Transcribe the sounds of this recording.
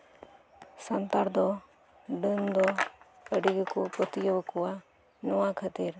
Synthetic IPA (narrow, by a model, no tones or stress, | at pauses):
sant̪aɾd̪ɔ | ɖənd̪ɔ | əɖiɡəkupət̪ijɔbəkɔwa | nɔwakʰat̪iɾ